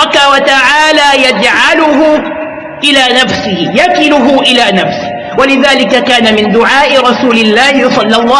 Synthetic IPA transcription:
ɑkawat̪aʕaːlaːjad͡ʒʕalʊɦʊ | ʔɪlaːnafsɪhɪjakɪlʊɦʊʔɪlaːnafsɪ | walɪðaːlɪkakaːnamɪnd̪ʊʕaːʔɪɾˤɑsuːlɪlːaːhɪsˤɑlːɑlˤːɑː

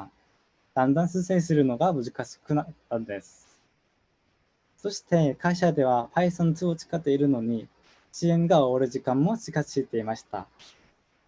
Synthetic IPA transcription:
d̪̥ãnd̪ãɰ̃sɨːsẽɲs̬ɨɾɯ̟no̞ɡamɯ̟zɨkaɕi̥kɯ̟nat̪ːãnd̪e̞sɨ̥ | so̞ɕi̥t̪e̞kaiɕad̪e̞β̞apaisãnt͡sɨot͡ɕi̥kat̪ːe̞iɾɯ̟no̞ɲ̟i | t͡ɕiẽ̞ŋɡaoaɾɯ̟ʑikãmːo̞ɕikasiːt̪e̞imaɕi̥t̪a̰

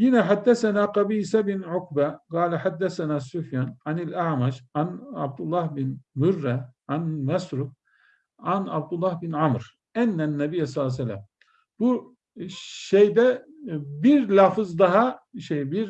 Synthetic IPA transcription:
jinɛħad̪ːæsænaːqɑbiːsæbinʕʊkbæɡɑːlɛħad̪ːæsænaːsufjanʕanilaʕmaʃʕana̰b̚d̪ulˠːɑhbinmurːɛʕanmæsɾu | ʕanab̚d̪ulːɑhbinʕamɾ̥ | ænːænːɛbijːas̬ˤɑlˠːas̬ælːæ̰m | b̥u | ʃejd̪ɛ | biɾlʲaːfɯzd̪ɑɦaʃejbiɾ

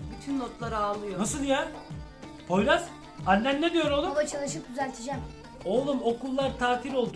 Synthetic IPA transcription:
byt̪ʰynːot̪lˠaɾɯalˠːɯjonasɯlˠja | pʰo̞jɾaz̥ | anʲːænːed̪ijo̞ɾolˠulˠat͡ʃʰalˠɯʃɯk̚d̪ʲyzælʲt̪ʰed͡ʒæm | o̞lˠumo̞kʰulˠːaɾt̪ʰaːt̪ʰiɾo̞lˠd̪u

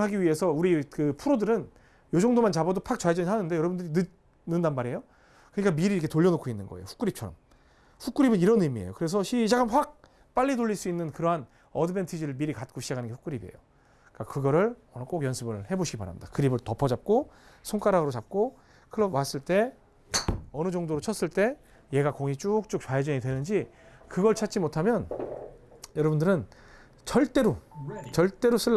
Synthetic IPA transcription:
ɦaɡiɥie̞sʰʌuɾikɯpʰuɾodɯɾɯn | jod͡ʑʌŋdomant͡ɕabʌdopʰak̚t͡ɕajd͡ʑʌniɦanɯnde̞jʌɾʌbundɯɾinɯ | nɯndanmaɾe̞jo | kɯɲik͈amiɾiɾkʰe̞toʎːʌnokʰoinːɯnɡʌ̰ejo̰ɸu̥k͈ɯɾip̚t͡ɕʰʌɾʌ̰m | ɸuk͈ɯɾibɯniɾʌnɯmiḛjokɯɾe̞s̬ʰʌɕʰid͡ʑaɡamɸwak̚ | p͈aʎːitoʎːiɭs͈uinːɯnkɯɾʌɦan | ʌdɯbe̞ntʰɯd͡ʑiɾɯɭmiɾikat̚k͈oɕʰi̥d͡ʑakʰanɯnɡe̞ɸuk͈ɯɾibe̞̰jo | k͈akɯɡʌɾɯɭʌnk͈oɡjʌnsʰɯbɯɭhe̞boɕʰiɡipaɾa̰mid̥a̰kɯɾibɯɭtʌpʰʌd͡ʑap̚k͈osʰoŋk͈aɾaɡɯɾot͡ɕap̚k͈o | kʰɯɾʌmas͈ɯɭt͈e̞ | ʌnɯd͡ʑʌŋdoɾot͡ɕʰʌs͈ɯɭt͈e̞ | je̞ɡakoŋit͡ɕ͈uk̚t͡ɕ͈uk̚t͡ɕwaed͡ʑʌɲidwe̞nɯnd͡ʑikɯɡʌɭt͡ɕʰat̚t͡ɕ͈imotʰamjʌn | jʌɾʌbundɯɾɯn | t͡ɕʌɭt͈e̞ɾot͡ɕʌɭt͈e̞ɾos͈ɯ

